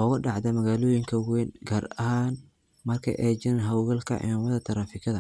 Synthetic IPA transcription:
ɔːɣɐɖɑʕd̪ɐmɐɣaːlɔːjɪŋkʰɐwɛnɡɐːrɐhaːn | mɐrkʰɐ̰ʔɛd͡ʒɪɾɛnɦɐwɣɐlkʰɐ̰ʕɪ̰maːmɐðɐt̪ʰɐɾaːfɪkʰɐðɐ

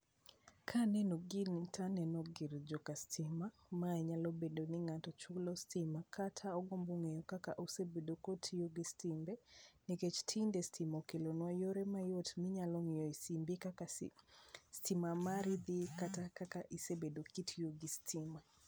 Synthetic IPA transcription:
kʰanɛnoɡintanɛnɔɡɪɾd͡ʒɔkastʰɪma | maɛɲalɔbendonɪŋatɔt͡ʃulɔstɪmakʰatʰaɔɡomboŋejɔkakaʔosebedokotʰijoɡɪstimbɛniket͡ʃtʰindɛstʰimɔkelonwajoɾɛmajotmɪɲalɔŋɪjɔisimbikaa | stimamaɾɪd̪ɪkatakakaʔisebedokitʰjoɡɪstʰɪma

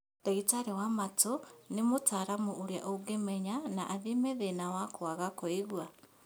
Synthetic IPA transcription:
d̥eɣitaɾewamatonemotaːɾamuʔoɾja̰ʔoɡemɛɲanaʔaðimeðenawakwaɣakɔiɣwa

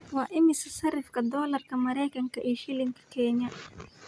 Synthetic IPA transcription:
wɑːʔɪmɪsɐsɐrɪfkɐd̪ɔːlɐrkʰɐmɐɾɛjkʰɐŋkɐʔiːʃɪlɪŋkʰɐ̥kʰɛːɲɐ

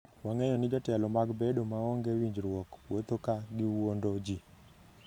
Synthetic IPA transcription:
waŋeɲɔnɪd͡ʒɔtɛlɔmaɡbedomaɔŋɡɛwiɲd͡ʒɾwɔkwot̪okaɡɪwondod͡ʒi

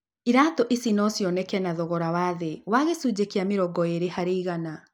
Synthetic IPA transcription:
iɾatɔʔisinɔsjɔnɛkɛnaðɔɣɔɾawaðewaɣesud͡ʑekiameɾɔɡɔeɾehaɾeiɣana

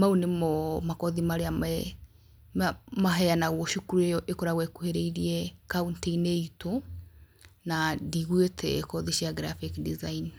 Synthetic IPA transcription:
maunemɔmakɔðimaɾeamɛ | maɦɛjanaɣwɔʃukuɾueɔʔekɔɾaɣwɛkuheɾeiɾiɛkaunteineito | nadiɣwetʰɛkɔðiʃiaɡɾafikdizain

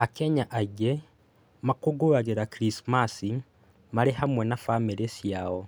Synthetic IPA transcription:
akeɲaʔaɟe | makuɡuβaɣeɾakɾismasi | maɾehamwenafameɾesjawo

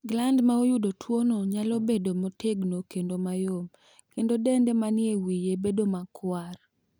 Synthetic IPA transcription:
ɡlandmaojudotʰwonoɲalobedomotʰeɡnokendomajom | kendodendemanɪewijebedomakwar

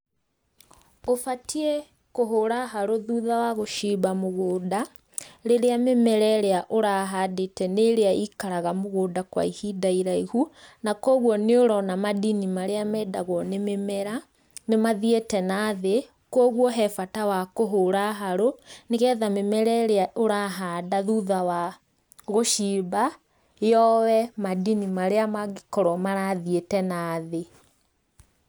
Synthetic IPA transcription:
ofatʰiɛ | koɦoɾaɦaɾoðuːðawaɣoʃiːbamoɣoːda | ɾeɾeamemɛɾɛɾeaʔoɾaɦadetɛneɾeaikaɾaɣamoɣoːdakwa̰ihidaiɾaihunakɔɣwɔneoɾɔnamadinimaɾeamɛːdaɣwɔnememɛɾa | nemaðietɛnaðe | kɔɣwɔɦɛfatawakoɦoːɾaɦaɾoneɣɛðamemɛɾɛɾeaoɾaɦadaðuːðawa | ɣoʃiːba | jɔwɛmadinimaɾeamaɣekɔɾɔmaɾaðietɛnaːðe

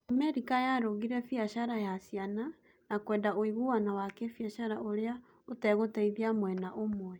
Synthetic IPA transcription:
amɛɾikajaɾoɣiɾɛfiaʃaɾajasiana | nakwɛːndaoiɣuwanawakefjaʃaɾaʔoɾea | otɛɣotaiðiamwɛnaʔomwwɛ

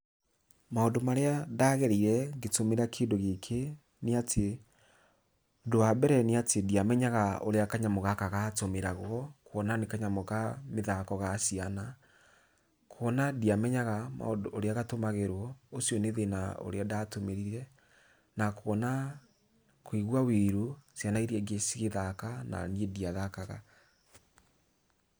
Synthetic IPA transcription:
maondomaɾeadaɣɛɾiɾɛɡetomeɾakʰeːndoɣekʰe | neatʰe | doabɛɾɛneatʰediamɛɲaɣao̰ɾeakaɲamɔɣakaɣatomeɾaɣɔkʰoɔnanekaɲamɔɣameðakɔɣasiana | kʰoɔnadiamɛɲaɣama̰odoɾeaɣatomaɣeɾwɔosjɔneðenao̰ɾeadatomeɾiɾiɾɛ | nakowɔna | kweɣwaweɾosjanaiɾiɛɡesiɣeðakana̰niediaðakaɣa̰

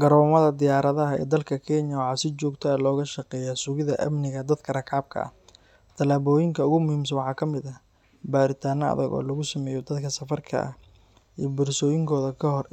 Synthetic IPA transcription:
ɡ̥ɐɾɔːmɐðɐd̪ɪjaːɾɐðɐɦɐɛ̰ːd̪ɐlkʰɐkʰɛnjɐwʕɑːsɪt͡ʃɔːɡt̪ʰɔɐlɔːɣɐʃɐqɛːjasʊɣɪðɐʔɐ̰mnɪɣɐd̪ɐd̪kʰɐrɐkʰaːb̚kʰɐ̰ɐ̰ | t̪ʰɐlaːβɔːjɪŋkʰɐʊɣʊmʊhiːms̬ɐnwɑħɑːkʰɐmɪðɐ | baːɾɪt̪ʰaːnɐɐ̰ðɐɣɔ̰ːlɐɣʊsɐmɛːjɔd̪ɐd̪kʰɐsɐfɐrkʰɐ̰ɐ̰h | ḭːbʊrsɔːjɪŋkʰɔːðɐkʰɐɦɔr

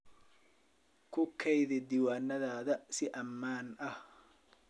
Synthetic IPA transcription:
kʰʊkʰɛjðɪd̪iwaːnːɐðaːðɐsɪʔɐmːaːnɐh

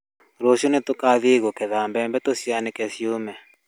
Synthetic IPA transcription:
ɾoʃunɛt̪ukaðiɣɔkɛðambɛmbɛt̪osjanɛkɛsjumɛ

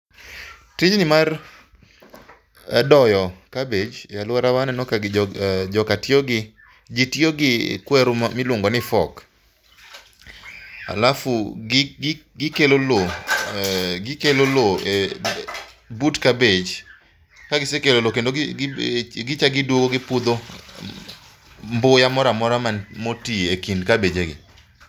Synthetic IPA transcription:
tɪd͡ʒnɪmar | dɔjɔkabed͡ʒjalʊaɾawanɛnɔkaɡd͡ʒɔkatjoɡɪ | d͡ʒitjoɡɪkwɛɾʊmmɪlʊŋɡɔnɪfɔk | a̰lafu | ɡɪkelolo | ɡɪkeloloe | butkabed͡ʒ | kaɡɪsekelolokendo | ɡɪt͡ʃaɡɪdwoɡoɡɪpud̪o | mbojamɔɾamɔɾamanmotiekindkabed͡ʒeɡɪ̰

